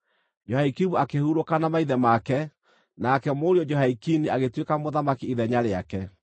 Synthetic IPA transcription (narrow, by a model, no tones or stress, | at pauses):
d͡ʒɔhaikimuakehuɾokanamaiðɛmakɛ | nakɛmoɾiɔd͡ʒɔɦaikiniaɣetwekamoðamakiiðɛɲaɾeakɛ